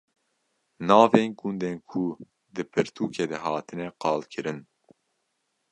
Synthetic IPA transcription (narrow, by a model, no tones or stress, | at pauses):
nɑːveːnɡund̪eːnkʰu | d̪ɨpʰɨɾt̪ʰuːkʰeːd̪ɛɦɑːt̪ʰɨnɛqɑːlkʰɨɾɨn